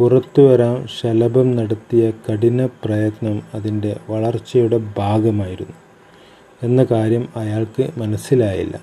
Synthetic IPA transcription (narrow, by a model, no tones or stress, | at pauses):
purɐt̪ːuʋɐɾaːmɕɐlɐbɐmnɐɽɐt̪ːijɐkɐɽinɐprɐjɐt̪nɐmɐðinde̞ʋɐɭɐrt͡ɕːɐjuɽe̞bʱaːɡɐmaːjiɾunːu | e̞nːɐkaːɾjɐmɐjaːɭkɨmɐnɐsilaːjḭlːɐ̰